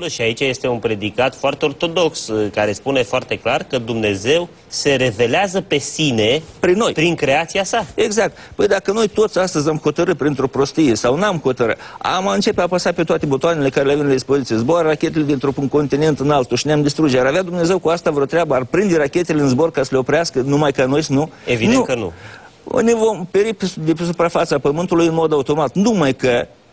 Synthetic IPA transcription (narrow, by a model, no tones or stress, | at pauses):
ʃiait͡ʃaje̞st̪e̞unpɾe̞d̪ikat̪foart̪eo̞rt̪o̞d̪o̞kskaɾe̞spune̞foart̪e̞klarkəd̪umne̞ze̞w | se̞ɾe̞ve̞leazəpe̞sinepɾinːo̞jpɾiŋkɾe̞at̪siasaeɡzak̚t̪pəjd̪akəno̞jt̪o̞t̪sʲast̪əzʲamxo̞t̪əɾɨt̪̚pɾint̪ɾo̞pɾo̞st̪ije̞sawnamxo̞t̪əɾɨ̰t̪a̰maɨnt͡ʃe̞peapasatpe̞t̪oat̪e̞bot̪oanele̞kaɾeleavenlad̪ʲispozit̪sijezborrakʲe̞t̪elep̪int̪ɾupunko̞nt̪ine̞nt̪ɨnalt̪uʃineamd̪ist̪ɾud͡ʒejaɾavead̪umne̞ze̞wkuast̪avɾeot̪ɾeabəarpɾind̪erakʲe̞t̪e̞leɨnzbo̞rkasəleo̞pɾeaskənumajkano̞jsnuevid̪neukənṵ | nevo̞mpe̞ɾiped̪epesupɾafat̪səapəmɨnt̪ulujɨnmo̞d̪aut̪o̞mat̪numajkə